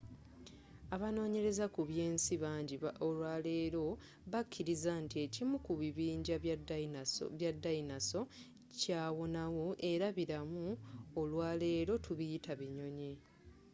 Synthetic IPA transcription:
aβano̞ːɲe̞ɾe̞zakuβje̞ːnsiβaːɲɟiolwaːle̞ːɾo̞ | βakʰːiɾizantie̞cimukuβiβiːɲɟa̰ | βjadːainaso̞ | caːwo̞nawo̞ʔe̞ɾaβiɾamuolwaːle̞ːɾo̞tʰuβijitʰaβiɲo̞ɲi

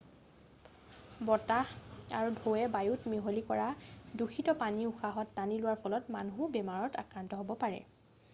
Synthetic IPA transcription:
bɔtaa̰ɹudʱoɛbajutmeɦolikɔɹaduxʰitɔpaniuxaɦɔtːanilʊwaɹpʰɔlɔtmanɦubɛmaɹɔta̰kɹantɔɦobɔpaɹɛ̰

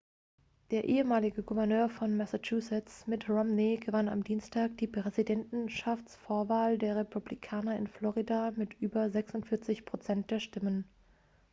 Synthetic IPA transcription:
d̥eːɐʔeːəmaːlɪɡəɡuvɛɐnøːɐfɔnmɛsat͡ʃuːsɛt͡smɪtʁɔmniɡəvana̰mdiːnstʰaːk̚d̥iːpʁ̥ɛzidɛntn̩ʃaft͡sfoːɐvaːldeːɐʁepʰublikʰaːnɐɪ̰nflɔʁidamɪtʔyːbɐzɛksʊntfɪɐt͡sɪçpʁ̥ot͡sɛnt̚d̥eːɐʃtɪmən

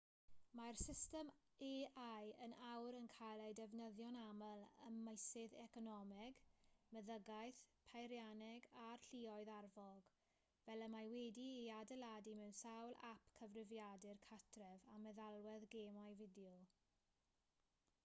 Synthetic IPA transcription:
marsɪstɛm | eʔajənawɾənkʰajlˠadɛvnəðjɔnamələməjsɪðɛkɔnɔmɛɡməðəɡajθpʰajɾjanɛɡarɬiːɔɨðarvɔɡ | vɛləmajwɛdiiadɛladimɛwnsawlˠa̰pʰkʰəvrɪvjadɪrkʰatʰrɛvamɛðalˠwɛðɡeːmajvɪdjɔ

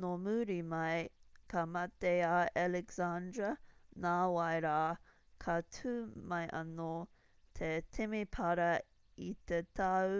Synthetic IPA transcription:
nomuɾimɐjkamɐt̪eaalɛkz̥andɾɐnaːwɐjɾaː | kʰɐtʰʉːmɐjʔɐno | t̪ʰetʰemipʰɐɾɐ | it̪et̪ʰɐw

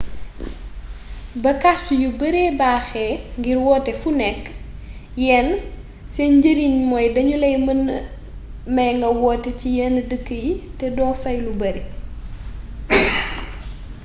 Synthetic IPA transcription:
bɐkat͡ʃujubɐɾeːbaːxɛŋɡiɾwɔːtɛfunɛkː | jɛn | sɛnɟəɾiɲmɔjdɐɲulɛjm | mɐjŋɡɐwɔːtɛcijɛndəkːəjitɛdɔːfɐjlubɐɾe

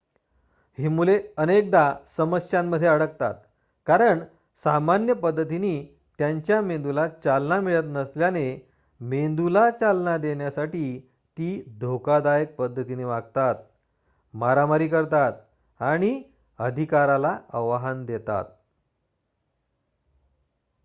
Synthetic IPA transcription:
ɦimuleənek̚d̪asəməsjamːəd̪ʱːjeəɽək̚t̪a̰t̪̚ | kaɾəɳ | samanjəpəd̪ʱːət̪̬iniː | t̪jaɲt͡ɕjamend̪ulat͡salnamiɭət̪nəsljane | mend̪ulat͡salnad̪eɳjasaʈiː | t̪iːd̪ʱokad̪ajək̚pəd̪ʱːət̪ineʋaɡt̪at̪̚ | maɾamaɾiːkəɾt̪at̪̚ | aɽ̃i | əd̪ʱikaɾalaəʋaɦand̪et̪a̰t̪̚

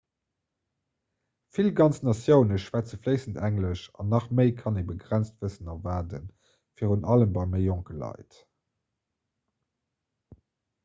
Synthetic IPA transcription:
filɡɑnt͡snɑsjəʊnəʃvæt͡səfləɪsəntʰæŋləʃɑ̰nɑχməɪkʰɑnebəɡʁænt͡stv̥əsənɑvaːdə̰n | fiːʁunɑləmbɑɪməɪjoŋkəlɑ̰ɪt

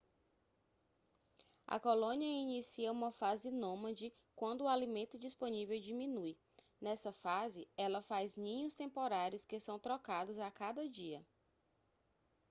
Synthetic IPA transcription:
ɐ̰kolõniɐinisiɐũmɐfazɪnõmɐd͡ʒɪ | kwɐ̃nd̪ʊːalimẽnt̪ʊd͡ʒispõnivewd͡ʒimĩnuj | nɛsɐfazɪɛlɐfaznĩɲʊst̪ẽmpoɾaɾjʊskesɐ̃w̃t̪ɾɔkad̪ʊzakad̪ɐd͡ʒiɐ

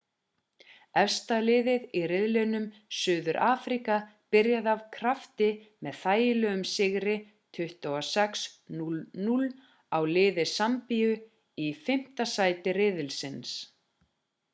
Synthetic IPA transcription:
ɛfst̪alɪːðɪðirɪðlɪnʏmsʏːðʏɾʔaːfɾikapɪɾjaðavkʰɾaft̪ɪmɛðθaːjɪlœʏmsɪɣɾɪ | t̪ʰʏht̪aasɛksnulnul | awlɪːðɪsampijʏ | ifɪm̥t̪asaːjt̪ɪrɪðɪlsɪns

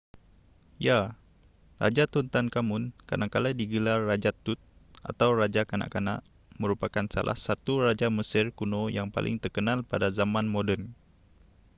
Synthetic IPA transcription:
ja | ra̰d͡ʒat̪unt̪ankamʊnka̰daŋkaladiɡəlarːad͡ʒat̪ʊt̪̚ | ʔa̰t̪awrad͡ʒakana̰ʔkana̰ʔ | məɾupakansa̰lʔa̰hsat̪urad͡ʒaməsɪrkunojaŋpa̰lʔɪ̰ŋt̪ərkənalpadazamãnmodən

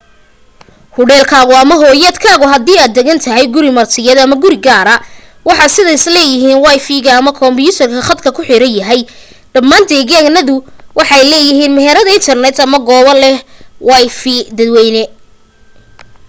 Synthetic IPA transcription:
hʊɽɛːlkʰaːɣʊɐmɐɦɔːjɐːd̪kʰaːɣʊɦɐd̪iːaːd̪ːɛɣɐnt̪ʰɐɦɛjɡʊɾɪmɐrt̪ʰɪjɛd̪ɐmɐɡʊɾɪɡaːɾɐ | wɑħɑsɪðɐɪslɛːjɪɦiːnwɑjfiɣɐːmɐkʰɔmbjuːt̪ʰɐrkʰɐχɐd̪kʰɐkʰʊħɪɾɐnjɐɦɛj | ɖɐmːaːnd̪ɛːɣɛɡnɐðʊwʔɑħɑjlɛːjɪɦiːnmɛɦɛɾɐðɐɪnt̪ʰɐrnɛt̪ʰɐmɐɡɔːβɐlɛwɑjfid̪ɐd̪wɛjnɛ

